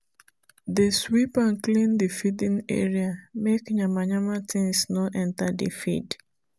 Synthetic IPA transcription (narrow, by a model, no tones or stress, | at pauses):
deswipãnklĩndifidĩnɛ̰ɹiamekɲamaɲamatʰĩŋsnoʔɛ̃ntadḭfḭd